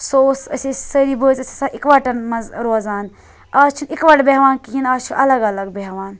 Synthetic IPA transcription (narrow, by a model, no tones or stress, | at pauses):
soːsɐ̰sisəɾibəːzɐsʰʲi̥saːikʋaʈɐnmɐzɾoːzaːn | aːt͡ʃʰunikʋaʈbeɦʋaːnkiɦinaːt͡ʃʰuʔɐlɐɡɐlɐɡbeɦʋaːn